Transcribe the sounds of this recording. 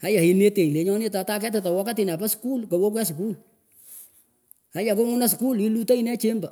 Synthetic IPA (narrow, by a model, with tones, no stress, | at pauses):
a˦ja˨i˨ne˦te˨ŋi˨le˨˦ɲɔ˦nɪ˦ta˨ta˦kɛ˦tɪ˨ta˨wɔ˦ka˦tɪ˨na˨pa˦sku˦lko˨wo˦k̬wɛ˦s̬ku˦l | a˦ja˨ko˦mu˦na˦s̬ku˦li˦lu˦ta˦i˦nɛ˦t͡ʃe˦mba˨